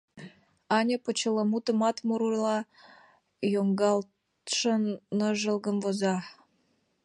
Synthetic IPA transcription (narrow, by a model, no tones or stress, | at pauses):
ɑnʲəpət͡ɕələmut̪ə̆mɑt̪muɾulɑ | joŋɡɑlt̪ | ʃənːəʒə̆lɡəmvozɑ